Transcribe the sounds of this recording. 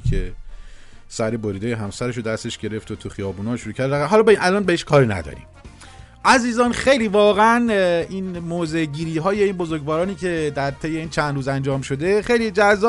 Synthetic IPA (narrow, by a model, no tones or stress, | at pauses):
kʰe | sæɾeboɾiːd̪eːjeɦæmsæɾeʃ̬od̪æst̪e̞ʃɟ̥e̞ɾe̞ft̪ʰot̪ʰuxijɒːbuːnɒːʃuɾuːcʰæɾd̪æɣæɦɒːlːbeinʔælɒːnbeeʃkʰɒːɾinæ̰d̪ɒ̰ɾḭmm | ʔæziːzɒːnxe̞jliːvɒːɣeæniːnmoːze̞ɟiːɾiːɦɒːje̞inbozoɾɡvɒːɾɒːniːcʰe̞d̪æɾt̪ʰe̞jːe̞iːnt͡ʃʰænd̪ɾuːzænd͡ʒɒːmʃo̞d̪e̞xejlid͡ʒæzːɒː